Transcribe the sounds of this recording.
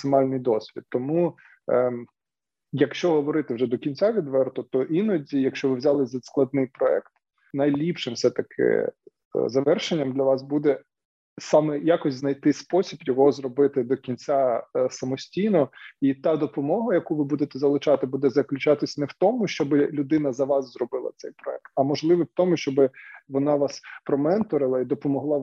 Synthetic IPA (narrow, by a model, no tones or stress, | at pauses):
ɐksɪmɑlʲnɪjd̪ɔsʲʋʲḭd̪̚t̪ːɔmu | jɐkʃt͡ʃɔɦɔʋɔɾɪt̪ɪwʒɛd̪ɔkʲinʲt͡sʲaʋʲid̪ʋɛrt̪ʊt̪ɔʔinɔdʲijɐkʃt͡ʃɔʋɪʋzʲɑlˠɪzʲɐsklˠɐd̪̚nɪjpɾɔɛ̰kt̪ | nɐjlʲipʃɪmfsɛt̪ɐkʰɪ̰ | zɐʋɛrʃenʲːɐmd̪lʲɐʋɑsbud̪ɛ | sɑmɛjakɔsʲznɐjt̪ɪspɔsʲibjɔɦɔzɾɔbɪt̪ɪd̪ɔkʲinʲt͡sʲasɐmɔsʲtʲijnɔit̪ɑd̪ɔpɔmɔɦɐjɐkuʋɪbud̪et̪ɛzɐlˠɪt͡ʃɑt̪ɪbud̪ɛzɐklʲʉt͡ʃɑt̪ɪsʲɐnɛwt̪ɔmʊʃt͡ʃɔbɪlʲʊd̪ɪnɐzɐʋɑszrɔbɪlˠɐ̰t̪sɛjpɾɔɛk̚t̪ɐmɔʒlˠɪʋɪwt̪ɔmʊʃt͡ʃɔbɪʋɔnɑʋɑspɾɔmɛnt̪ɔɾɪlˠɐid̪ɔpɔmɔɦlˠɑ